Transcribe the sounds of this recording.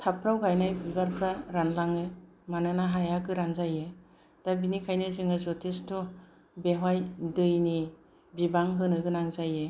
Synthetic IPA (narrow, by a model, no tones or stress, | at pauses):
tʰapʰɾawɡajnajbibaɾpʰɾaɾanlaŋɯ | manɯnaɦajaɡɯɾanzaje | tabinikʰajnɯzɯŋɯzɔtʰistʰɔ | beɦwajdɯjni | bibaŋɦɯnɯɡɯnaŋzaje